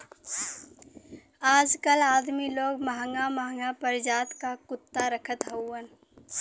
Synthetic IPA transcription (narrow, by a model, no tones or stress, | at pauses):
aːd͡ʒkəlaːd̪miloːɡmɐɦəŋɡamaɦŋɡapəɾɪd͡ʒaːt̪kakʊt̪ːaɾəkʰət̪ɦɐwːən